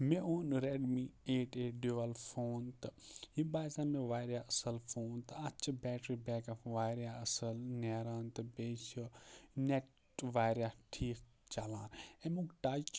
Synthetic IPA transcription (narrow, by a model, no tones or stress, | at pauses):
mẽoːnɾeːɖmieːʈeːɖoʋɐlfʰoːnt̪ɦĩːbaːsãːmẽʋaːjɾjaɐsəlfʰoːnt̪ɐt͡ʃʰbɛːʈɾiːbɛːkafʋaːjɾjaɐsəlneːɾaːnt̪ɨbeːʃ | neʈ | ʋaːjɾjaʈʰiːk | t͡ʃalãːnɛ̃ːmũːkʈaːt͡ʃ